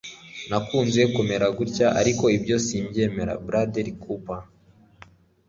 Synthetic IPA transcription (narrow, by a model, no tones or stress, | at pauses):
nakuːnzekome̞ɾaɡuɾcaʔa̰ɾiko̞ibjo̞siːmɟe̞ːme̞ɾa̰bɾadeɾikʰupa